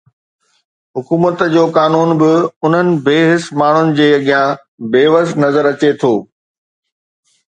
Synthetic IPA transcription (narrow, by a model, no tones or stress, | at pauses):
ɦʊkuːmət̪d͡ʑoːkaːnuːnbɪʊn̤ənɪ̆beːɦɪsmaːɳ̤ʊnɪ̆d͡ʑeːɐɠijã | beːʋəsnɐzəɾɐt͡ɕet̪ʰoː